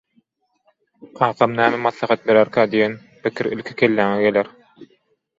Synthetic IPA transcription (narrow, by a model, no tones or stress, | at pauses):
qʰɑːqʰɑmnæːmæmɑθlˠɑχɑt̪̚be̞ɾæɾkʰæːd̪ijen | pɪkʰiɾḭlkʰi̥kʲʰelːæːŋeɡe̞leɾ